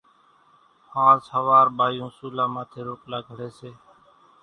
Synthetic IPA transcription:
hãːsəʋaːɾɓaːjũːsuːlãːmãːt̪ʰeːɾoːklaːɡʱəɽeːseː

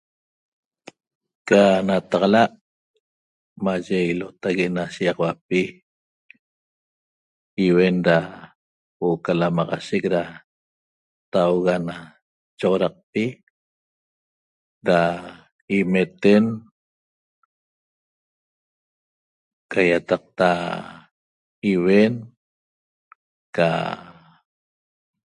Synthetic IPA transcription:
kanat̪ɑʁɑlaʔ | maʒeilot̪aɣeʔnaʃiɑʁwapi | iwenɾa | woʔokalamɑʁɑ̰ʃek̚ɾa | t̪awɣana | t͡ʃoʁoɾɑq̚pi | ɾa | imet̪en | kʰajat̪ɑq̚t̪a | iwen | ka̰

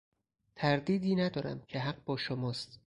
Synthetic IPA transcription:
t̪ʰæɾd̪iːd̪iːnæd̪ɒːɾæ̰mcʰeɦæɢ̚bɒːʃomɒːst̪

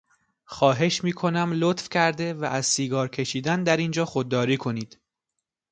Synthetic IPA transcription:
xɒːɦe̞ʃmiːkʰo̞næmlot̪fcʲʰæɾd̪e̞væʔæzsiːɡɒːɾcʰe̞ʃiːd̪ænd̪æɾind͡ʒɒːxod̪̚ːɒːɾiːkʰo̞niːd̪̥

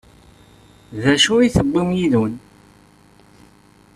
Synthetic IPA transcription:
ðæʃuiθəbːimjiðun

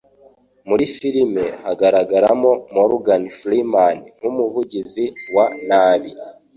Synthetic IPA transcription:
muɾifiɾimehaɡaɾaɡaɾamomoɾuɡanflimanŋ̥umuvuɟiziwanaːβi

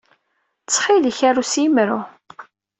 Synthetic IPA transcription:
t͡sːχiləçæɾusimɾu

